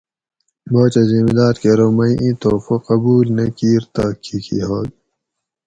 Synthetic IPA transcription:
boːt͡ɕɐzimid̪aːɾkeɾomɐĩʔĩt̪oːfoqɐbuːlnekiːɾt̪aːkʰːikʰḭɦoːd̪̚

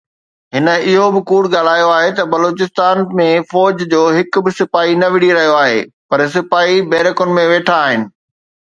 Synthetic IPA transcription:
ɦɪnə̆ɪɦobɪkuːɽɡaːl̤aːjoaːɦet̪ɐbɐloːt͡ɕɪst̪aːnmẽfɔːd͡ʑd͡ʑoːɦɪkbɪsɪfaːinɐʋɪɽiɾɐɦijoaːɦḛːpɐɾs̬ɪfaːibɛːɾɪkʊnɪ̆mẽʋeːʈʰaːɦɪnɪ̆

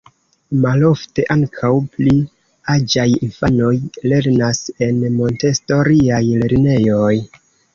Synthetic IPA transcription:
malo̞fte̞ʔaŋkʰawpli | ad͡ʒajinfano̞jle̞ɾnase̞nmo̞nte̞sto̞ɾiajle̞ɾne̞jo̞j

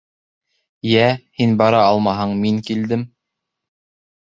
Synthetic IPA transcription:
jæhinbɑɾɑɑlˠmɑɦɤɴmiŋkild̪ɘm

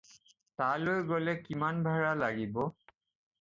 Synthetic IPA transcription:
talojɡolɛkimanbʱaɹalaɡibɔ

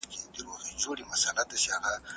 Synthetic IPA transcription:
ked̪iɾoxid͡ʒoɽemasalad̪at͡ʃeaɣa

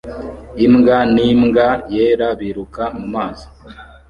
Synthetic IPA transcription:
imŋɡanimŋɡajeːɾaβiɾukamumaːzo̥

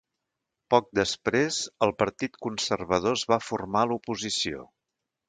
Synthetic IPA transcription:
pɔk̚d̪əspɾezəlˠpəɾt̪it̪kunsərβəð̞ozβafurmalupuzisio̰

